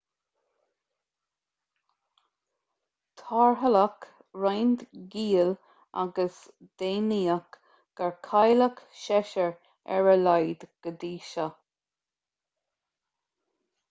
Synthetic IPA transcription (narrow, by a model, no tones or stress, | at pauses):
t̪ʰaɹɦəlak | ɹajnd̪ɡiːl | a̰ɡəs | d̪̥eːniːak | ɡ̥aɹkʰajləkʃɛʃəɹ | ɛ̰ɹəlajd̪ɡ̥əd̪iːʃa